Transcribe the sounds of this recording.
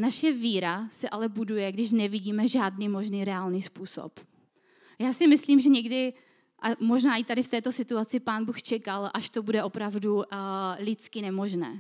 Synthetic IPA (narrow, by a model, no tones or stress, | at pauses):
naʃɛviːɾasɛʔalɛbudujɛɡdɪʃ̬nɛvɪɟiːmɛʒaːdniːmo̞ʒniːɾɛaːlniːspuːso̰p | jaːsɪmɪsliːmʒɛɲɛɡdɪ | ʔamo̞ʒnaːʔɪt̪adɪft̪ɛːt̪o̞sɪt̪uat͡sɪpaːnbuːxt͡ʃɛkalʔaʃt̪o̞budɛʔo̞pɾavdulɪt͡skɪnɛmo̞ʒnɛ̰ː